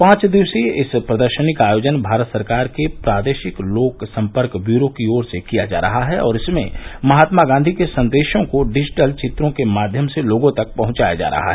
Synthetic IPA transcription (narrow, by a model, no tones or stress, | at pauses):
pãːt͡ʃd̪ɪʋseɪspɾɐd̪əɾʃənɪkaːjoːd͡ʒənbʱaːɾət̪sɐɾkaːɾkepɾaːd̪eːʃɪkloːksɐ̃mpəɾkbjuːɾokioːɾsekija̰d͡ʒa̰ːɾɐɦaɦɛɔ̰ːɾɪsmḛ̃mɐɦaːt̪maɡãːnd̪ʱikesɐ̃nd̪eːʃõkoɖɪd͡ʒʈəlt͡ʃɪt̪ɾõkemaːd̪ʱjəmseloːɡõt̪ɐk̚pɐɦʊ̃t͡ʃaːja̰d͡ʒa̰ːɾɐ̰ɦa̰ɦɛ